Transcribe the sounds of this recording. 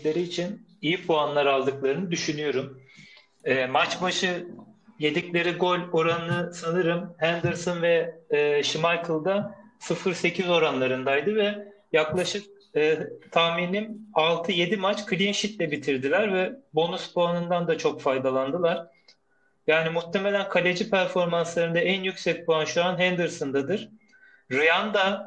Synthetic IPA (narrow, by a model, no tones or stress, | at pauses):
lʲe̞ɾiːt͡ʃʰin | ijipʰuanlˠaɾalˠd̪ɯklˠaɾɯnɯd̪yʃynyjo̞ɾum | ɛːmat͡ʃbaʃɯje̞d̪iclʲe̞ɾiɡo̞lʲo̞ɾanɯnɯsanɯɾɯmhænd̪ɯɾsonvɛːʃimajkʰɯlˠd̪asɯfɯɾse̞cʰizo̞ɾanlˠaɾɯnd̪ajd̪ɯvɛjaklˠaʃɯk̚ː | t̪ʰahmininalˠt̪ʰɯje̞d̪imat͡ʃkʰɯlʲinʃit̪lʲɛbit̪ʰiɾd̪ilʲæɾvɛbo̞nuspoanɯnd̪and̪at͡ʃʰo̞kfajd̪alˠand̪ɯlˠaɾ̥ | jaːnimut̪ʰːeme̞lʲænkʰalʲed͡ʒipʰæɾfo̞ɾmanslˠaɾɯnd̪aænjycsɛc̚buanʃuanɦænd̪ɯɾsɯnd̪ad̪ɯɾ̥ | ɾɯjand̪a